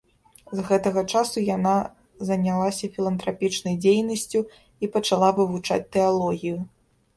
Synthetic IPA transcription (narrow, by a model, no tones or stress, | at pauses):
zɣɛt̪ɐɣɐt͡ʂasujana | zɐnʲalˠasʲɐfʲilˠɐnt̪ɾapʲit͡ʂnɐjd͡zʲejnɐsʲt͡sʲu | ipɐt͡ʂalˠavɨvut͡ʂa̰t͡sʲt̪ɛalˠɔɣʲiju